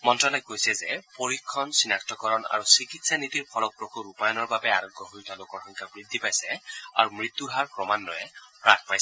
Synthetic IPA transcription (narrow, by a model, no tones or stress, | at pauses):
mɔntɹɔlɔj̚ɡojsɛzɛpoɹikʰːɔnsinak̚tɔkɔɹɔna̰ɹusikitsanit̪iɹpʰɔlɔk̚pɹɔkʰuɹupajɔnɔɹbabɛaɹɔɡʱːɔɦojt̪alokɔɹxɔŋkʰabɹid̪ʱːipajsɛa̰ɹumɹit̪ːuɦaɹpɹɔmanːɔjɛpɹakʰpajsɛ